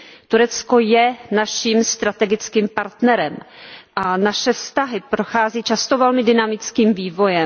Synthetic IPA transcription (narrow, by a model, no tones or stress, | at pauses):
t̪uɾɛt͡sko̞jɛnaʃiːmst̪ɾat̪ɛɡɪt͡skiːmpaɾt̪nɛɾɛmʔanaʃɛfst̪aɦɪpɾoxaːziːt͡ʃast̪ovɛlmɪdɪnamɪt͡skiːmviːvo̞jɛ